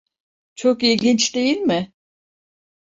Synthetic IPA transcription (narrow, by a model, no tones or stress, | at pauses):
t͡ʃʰokilʲɟint͡ʃd̪e̞jilʲmɪ